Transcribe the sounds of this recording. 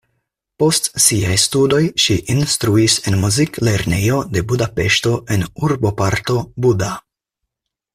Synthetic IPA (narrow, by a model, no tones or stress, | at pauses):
po̞stsiajstudo̞jʃiʔinstɾuise̞nmuzikle̞ɾne̞jo̞de̞budape̞ʃto̞ʔe̞nuɾbo̞paɾto̞buda